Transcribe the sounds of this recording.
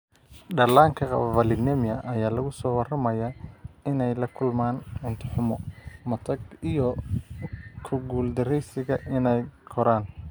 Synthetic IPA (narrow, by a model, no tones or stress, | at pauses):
ɖɐlaːŋkʰɐqɑ̰βvɐlɪnɛmjɐʔɐjaːlɐɣʊsɔːwɑrɐmɐjaɪnɛjlɐkʰʊlmaːnʕɪnt̪ʰɪħʊmɔmɐt̪ʰɐɡijɔ | kʰʊɡuːld̪ɐɾɛjsɪɣɐʔɪnɛjkʰɔɾaːn